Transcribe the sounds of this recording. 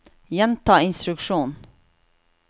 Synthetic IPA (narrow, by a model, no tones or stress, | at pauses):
jɛnt̪ʰɑːɪnst̪ɾʉkʂuːn